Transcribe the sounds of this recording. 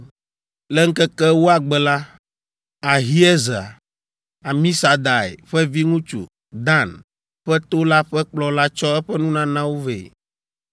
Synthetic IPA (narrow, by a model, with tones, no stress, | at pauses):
lɛ˦ŋ̩˦kɛ˦kɛ˦wo˦a˨ɡ͡bɛ˨la˦ | a˨ɦi˦ɛ˦za̰˨ | a˨mĩ˦sa˨d̪a˨ḛ˨ɸɛ˦vi˦ŋũ˦t͡ʃṵ˨ | d̪ã˦˨n | ɸɛ˦t̪o˦la˦ɸɛ˦k͡plɔ˦la˦t͡ʃɔ˦ɛ˦ɸɛ˦nũ˦nã˦nã˦wo˦vḛ˨